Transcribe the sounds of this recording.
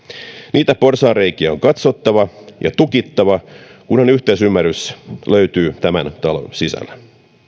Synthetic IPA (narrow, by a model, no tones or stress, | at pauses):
nʔiːt̪æporsɑːrreikiæoŋkɑt̪sot̪ːɑʋɑjɑ̰t̪ukit̪ːɑʋɑkunhonyht̪eisymːærysløyt̪yːt̪æmænt̪ɑlo̰sisæ̰lːæ